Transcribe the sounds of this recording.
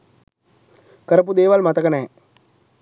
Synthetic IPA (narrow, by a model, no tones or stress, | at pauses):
kəɾəp̬ud̪eːʋalmat̪əkənɛː